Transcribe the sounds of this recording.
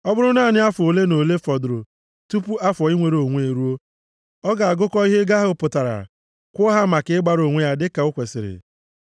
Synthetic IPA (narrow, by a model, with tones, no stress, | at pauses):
ɔ˦bʊ˦ɾʊ˦na˦˨nɪ˦a˦fʊ˨o˨le˦no˨le˦fɔ˨dɾo˨ | tu˦pu˦a˦fɔ˨i˦ŋʷe˨ɾo˨ŋʷ˦e˨ɾu˦o˦ | ɔ˦ɡa˨a˨ɡʊ˦kɔ˦i˦ɦe˦ɡa˦ɦʊ˦pʊ˨ta˨ɾa̰˨ | kʷɔ˦ɦa˦ma˨kɪ˨˦ɪ˦ɡ͡ba˦ɾo˨ŋʷe˦ja˦dɪ˦ka˨ʊ˦kʷe˨sɪ̰˨ɾɪ̰˨